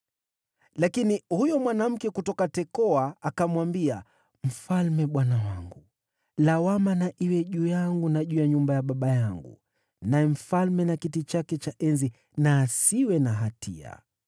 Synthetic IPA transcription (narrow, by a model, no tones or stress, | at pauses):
lakinihujɔmwanam̩kɛkutɔkatɛkɔaakamwambia | m̩falmɛɓwanawaŋɡu | lawamanaʔiwɛʄujaŋɡunaʄujaɲumbajaɓaɓajaŋɡṵ | najɛm̩falmɛnakitit͡ʃakɛt͡ʃaʔɛnzi | naːsiwɛnaɦatḭa̰